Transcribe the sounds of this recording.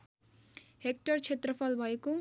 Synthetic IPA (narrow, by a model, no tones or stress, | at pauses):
ɦek̚ʈʌɾt͡ʃʰet̪ɾʌpʰʌlbʱʌjeku